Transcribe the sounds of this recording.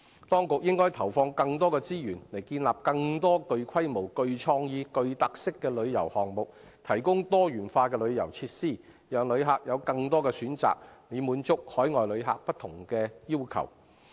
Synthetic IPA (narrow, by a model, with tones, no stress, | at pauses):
t̪ɔː˥ŋkʊ˨k̚jɪ˥ŋkɔː˥jt̪ʰɐ˨˩wfɔː˧ŋkɐ˧ŋt̪̬ɔː˥kɛː˧t͡siː˥jyː˨˩nle˨˩jkiː˧nlaː˨p̚kɐ˧ŋt̪ɔː˥kɵ˧ɥkʰɐ˥jmo˨˩wkɵ˧ɥt͡sʰɔː˧ŋjiː˨˧kɵ˧ɥt̪ɐ˨k̚sɪ˥kːɛː˧lɵ˨˧ɥjɐ˨˩whɔː˨ŋmʊ˨k̚ | t̪ʰɐ˨˩jkʊ˥ŋt̪ɔː˥jyː˨˩nfaː˧kɛː˧lɵ˨˧ɥjɐ˨˩wt͡sʰiː˧t̚siː˥˩ | jœː˨ŋlɵ˨˧ɥɦaː˨k̚jɐ˨˧wkɐ˧ŋt̪ɔː˥kɛː˧syː˨˥nt͡sa̰ː˨k̚ne˨˧muː˨˥nt͡sʊ˥k̚hɔː˨˥jŋɔː˨jlɵ˨˧ɥɦa̰ː˨k̚pɐ˥t̪ʰːʊ˨˩ŋkɛː˧jiː˥wkʰɐ̰˨˩w